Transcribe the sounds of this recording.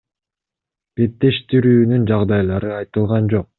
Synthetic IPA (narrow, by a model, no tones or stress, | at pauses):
b̥e̞t̪ːe̞ʃt̪iɾyːnynd͡ʒɑʁd̪ɑjlˠɑɾɯɑjt̪ɯlˠʁɑnd͡ʒo̞q̚